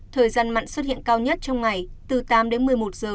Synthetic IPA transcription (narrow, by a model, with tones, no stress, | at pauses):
t̪ʰəː˨˩jzaː˧nma̰ː˧˨ŋ̟swə˦˥t̚hḭ˧˨ənkaː˧wɲə˦˥t̚t͡ɕɔ˧wŋ͡mŋa˨˩jt̪ɨ˨˩t̪aː˨˦mɗe˨˦nmɨ˨˩əjmo˨˩t̚z̥əː˨˩